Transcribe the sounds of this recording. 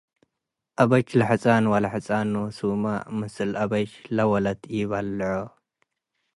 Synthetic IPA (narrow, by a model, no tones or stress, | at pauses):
ʔɐβɐt͡ʃlɐħɨt͡sʼanwalɐħɨt͡sʼanusumamɨsɨlʔɐbɐt͡ʃlɐwɐlɐt̪ʰjɪβɐlːʕo